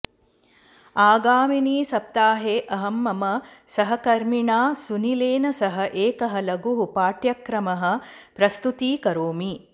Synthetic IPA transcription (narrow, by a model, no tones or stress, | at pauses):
aːɡaːminiːsɐp̚t̪aːɦeːʔɐɦɐmːɐmɐsɐɦɐkɐɾmiɳaːsunileːnɐsɐɦɐ̆ʔeːkɐɦɐlɐɡuɦupaːʈjɐkɾɐmɐɦɐ̆ | pɾɐst̪ut̪iːkɐɾoːmi